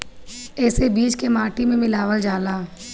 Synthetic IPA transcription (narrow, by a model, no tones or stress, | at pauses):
ɛːsebiːd͡ʒkemaːʈimẽmɪlaːʋəld͡ʒaːlaː